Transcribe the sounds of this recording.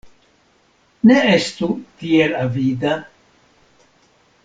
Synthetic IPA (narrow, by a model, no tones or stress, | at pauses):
neest̪ut̪ielavid̪a